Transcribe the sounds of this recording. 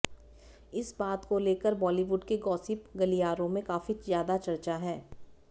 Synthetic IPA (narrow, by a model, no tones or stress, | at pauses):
ɪsbaːt̪koleːkəɾbɔːliʋʊɖkeɡɔːsɪpɡɐlijaːɾõmẽkaːfizjaːd̪at͡ʃɐɾt͡ʃaɦɛː